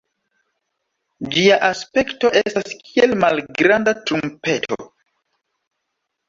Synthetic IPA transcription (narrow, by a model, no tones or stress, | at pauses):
d͡ʒiaʔaspe̞kto̞ʔe̞staskʰie̞lmalɡɾandatɾumpe̞tʰo̰